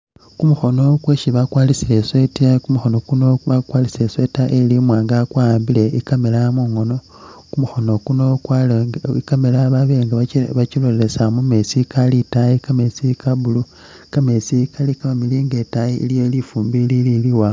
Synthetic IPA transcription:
kumuxo̞no̞kweːʃiβakwaːlisile̞swetakumuxo̞nokunoβakwaːlisiɾesweːtaʔelimwaːŋɡakwambile̞ikamelamuŋo̞no̞ | kumuxo̞no̞kuno | ikamelaβaβieŋɡaβat͡ʃilolesamumesikalitaikame̞sikaβulu | kame̞sikalikamamiliːŋɡe̞tajiḭlijolifuːmbilililiwa

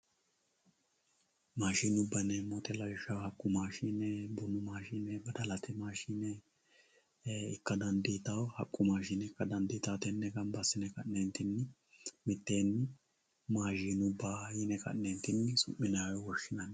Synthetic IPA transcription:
maːʃiːnʊbːɐnɛmɔt̪ɛlɐjɪʃɐwhɐkʼːʊmaːʃiːnɛbʊnːʊmaːʃiːnɛbɐd̪ɐlɐt̪ʰɛmaːʃiːnɛ | ɪkːɐd̪ɐnd̪iːt̪ɐwhɐkʼːʊmaːʃinɛkːɐd̪ɐnd̪iːt̪ɐwt̪ɛnːɛɡɐnbɐsːɪnɛkɐʔnent̪ɪnːɪ | mɪt̪ːeːnːɪ | maːʃiːnʊbːaːjɪnɛkɐ̰ʔneːnt̪ɪnːɪsʊ̰ʔɪnaːwɔwɔʃːɪnɐn

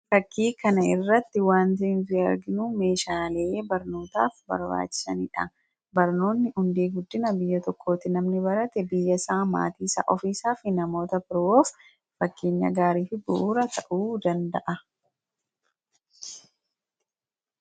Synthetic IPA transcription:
fɐkːiːkɐnɐɪrːɐt̪ːɪwaːnt̪iːnfɪɐɾɡɪnume̞ːʃaːleːbɐɾno̞ːt̪a̰ːfbɐ̰ɾba̰ːt͡ʃːɪ̥sɐ̰niᶑɐ | bɐɾno̞ːnːɪhʊnd̪eːɡʊd̪ːɪnɐbɪjːɐt̪ɔkʰːo̞ːt̪ɪnɐmnɪbɐɾɐt̪ɛbɪjːɐsaːma̰ːt̪iːsɐ̰ːʔɔfiːsaːfɪnɐmo̞ːt̪ɐpɪɾwoːf | fɐkːe̞ːɲːɐ̰ɡaːɾiːfɪbʊ̰ʔuːɾɐt̪ʰɐʔuːd̪ɐnd̪ɐʔɐ

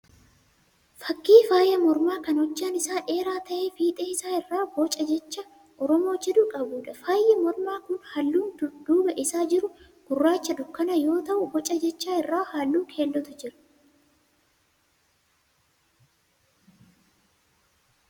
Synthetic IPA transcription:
fɐkːiːfaːjɐmɔɾmaːkɐnɔt͡ʃːaːnɪsaːʔe̞ːɾaːt̪ɐʔe̞ːfiːt̪ʼeːɪsaːɪrːaːbɔt͡ʃʼɐd͡ʒɛt͡ʃːɐ | ʔɔɾɔmo̞ːt͡ʃːɛd̪ʊkʼɐbuːᶑɐfaːjːɛmɔɾmaːkʊnhɐlːuːnd̪uːbɐʔɪsaːd͡ʒɪɾʊ | ɡ̥ʊrːaːt͡ʃːɐᶑʊkːɐnɐjo̞ːt̪ɐʔʊbɔt͡ʃʼɐd͡ʒɛt͡ʃːaːɪrːaːhaːlːuːkʰe̞ːlːɔt̪ʊd͡ʒɪɾɐ̥

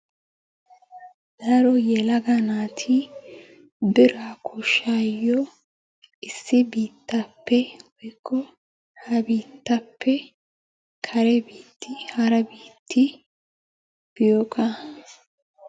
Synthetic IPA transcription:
d̪ɐɾɔjɛlɐɡɐnaːt̪ʰɪ | bɪɾakʰɔʃaːjːɔ | ɪsːɪbiːt̪ːɐpːɛwɔjkːɔ | hɐbiːt̪ːɐpːɛ | kʰɐɾɛbiːt̪ːɪhɐɾɐbiːt̪ʰːɪ | b̥ɪjokʼa

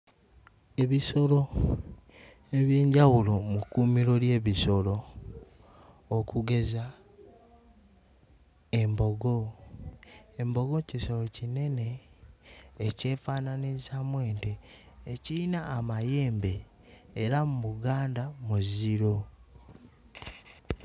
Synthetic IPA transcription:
e̞βiso̞lo̞ | e̞βjeːɲɟawulo̞mukːumiɾo̞lje̞ːβiso̞lo̞ | kʰuɡe̞za | e̞mbo̞ɡo̞ | embo̞ɡo̞ciso̞lo̞cine̞ne̞ː | ce̞ːfaːnanizamwe̞ːnteː | ciɾinaːmaje̞ːmbe̞ː | ɾamuβuɡaːndamuziɾo

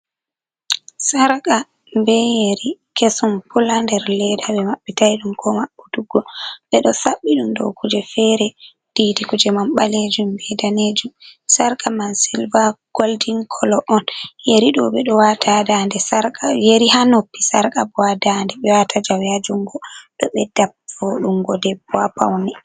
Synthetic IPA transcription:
saɾka | mbɛjeɾikesumpulandɛɾlɛdaɓɛmaɓːitajɗumkɔmaɓːuduɡɔɓɛɗɔsaɓːiɗumdɔ̰wkud͡ʒɛfɛɾɛ | d̥iːdikud͡ʒɛmamɓaled͡ʒumbɛdaned͡ʒumsaɾkamansilvaɡ̥oldiŋkʰɔlɔʔɔnjeɾiɗɔɓɛɗɔwatʰadandɛsaɾkajeɾiɦanopːisaɾkabɔadandɛɓɛwatʰad͡ʒawjad͡ʒuŋɡɔɗɔɓɛdap̚foɗumɡɔdɛbɔapa̰wnɛ

